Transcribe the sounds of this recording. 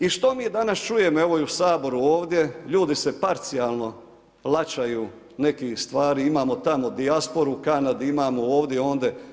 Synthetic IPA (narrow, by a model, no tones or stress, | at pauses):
iʃt̪o̞miːd̪anast͡ʃuje̞moe̞ʋoiusaːbo̞ɾuoːʋd̪ʲje̞ʎuːd̪ise̞paɾt̪sijaːlˠno̞ | lˠat͡ʃajuː | ne̞kist̪ʋaːɾiimaːmo̞t̪amo̞d̪iaspo̞ɾukanad̪iimaːmooːʋd̪ʲjeo̞ːnd̪e̞